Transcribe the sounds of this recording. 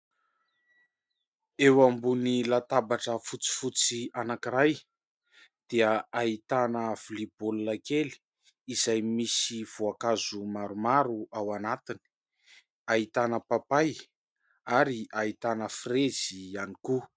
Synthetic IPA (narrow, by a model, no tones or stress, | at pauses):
ewambunilat̪abaʈ͡ʂəfut͡si̥fut͡sianakiɾaj | d̪̥eəait̪anəvilibolunakeli̥ | izajmisiv̥uakazumaɾumaɾuawanat̪ini̥ | ait̪anəpapaj | aɾiʔait̪anəfrezianiku